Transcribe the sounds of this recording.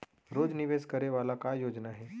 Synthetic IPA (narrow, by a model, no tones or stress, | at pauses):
ɾod͡zniʋeskəɾeʋalakajod͡ʒnaɦe